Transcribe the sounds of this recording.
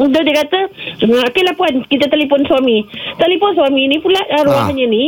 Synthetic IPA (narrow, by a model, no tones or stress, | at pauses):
udodiəkat̪əokelapuankit̪at̪alepɔnsuamit̪alepɔnswaminipulaʔɾuaɦaɲani